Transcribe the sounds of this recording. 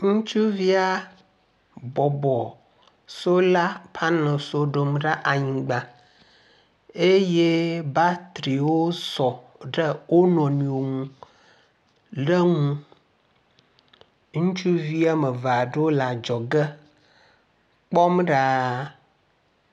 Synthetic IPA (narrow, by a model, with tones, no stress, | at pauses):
ŋũ˦t͡ʃu˦vi˦a˨ | bɔ˨bɔ˨ | so˦la˦pʰa˦nə̃˨so˦ɖo˨mɖa˦ʔa˨ɲĩ˨ɡ͡ba˨ | e˦je˦ba˦t̪ɾi˨wo˦sɔ˨ | ɖə˦wo˦nɔ̃˨nĩ˨o˨ŋũ˨ | ɖə˦ŋũ˦ | ŋũ˦t͡ʃu˦vi˦a˦mə˨va˨ɖə˦o˦la˨d͡ʒɔ˨ɡə˦ | k͡pɔ˦mɖa˦